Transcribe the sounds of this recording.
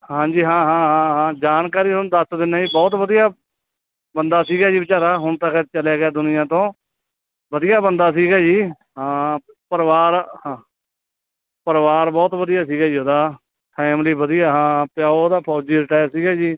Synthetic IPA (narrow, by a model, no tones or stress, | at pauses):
ɦãːd͡ʒiːɦãːɦãːɦãːɦãːd͡ʒaːnkaːɾiːʊnd̪əsd̪ɪnaːiːbɔːt̪ʋəd̪ijaː | bənd̪aːsiːɡaːd͡ʒiːbɪt͡ʃaːɾaːɦʊnt̪aːkʰɛːɾt͡ʃəlaːɡɪaːd̪ʊnɪjãːt̪õː | bəd̪ɪjaːbənd̪aːs̬iːɡaːd͡ʒiː | ɦãː | pəɾʋaːɾhãː | pəɾʋaːɾbɔːt̪ʋəd̪ɪjaːsiːɡaːd͡ʒiːɦoːd̪aː | pʰɛːmliːbəd̪ijaːɦãːpɪjaːod̪aːpʰɔːd͡ʒiːɾɪʈaːjəɾsiːɡaːd͡ʒiː